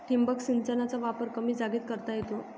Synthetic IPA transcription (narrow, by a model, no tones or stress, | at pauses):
ʈʰimbəksint͡sənat͡saʋapəɾkəmiːd͡zaɡiːt̪̚kəɾt̪ajet̪o